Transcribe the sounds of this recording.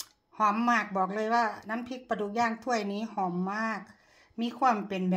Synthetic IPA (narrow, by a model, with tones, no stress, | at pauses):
hɔː˨˦mːaː˧˩k̚bɔː˨˩k̚lɤː˧˥˨jwaː˧˩na˧˥˨mpʰi˧˥k̚pa˧duː˧˦k̚jaː˧˩˨ŋt̪ʰu˧˩əjniː˧˥˨hɔː˨˦mːaː˧˩k̚ | miː˧˥˨kʰwu˧˥˨mpe˨nbɛː˨˩